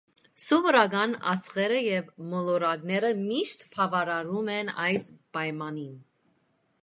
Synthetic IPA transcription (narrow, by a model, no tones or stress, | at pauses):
sɔvɔɾɑɡɑnɑ̰sχɛɾəjɛvmɔlɔɾɑɡnɛɾəmiʃt̪pʰɑvɑɾɑɾumɛnɑjsb̥ɑjmɑnin